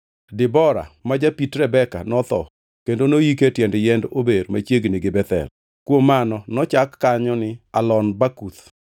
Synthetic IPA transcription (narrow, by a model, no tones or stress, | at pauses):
dɪbɔɾa̰mad͡ʒapitɾɛbɛka̰nɔt̪ɔ̰ | kendonojiketjɛndjɛndobeɾmat͡ʃjeɡnɪɡɪbɛt̪ɛ̰l | kwomːanɔnɔt͡ʃakːaɲɔnɪalɔnbakut̪